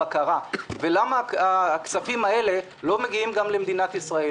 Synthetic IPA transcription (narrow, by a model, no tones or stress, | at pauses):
akaʁave̞lamaakt͡safimae̞le̞ | lo̞me̞ɡiimɡamlemd̪inat̪isʁae